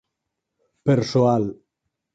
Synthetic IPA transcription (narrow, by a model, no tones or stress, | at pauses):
peɾsoal